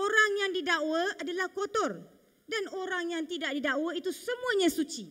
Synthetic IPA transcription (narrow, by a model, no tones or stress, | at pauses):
oɾaŋjaŋdidawaadalahkot̪ɔr | danoɾaŋjaŋt̪idaʔ̚didawait̪usəmũaɲãsut͡ʃi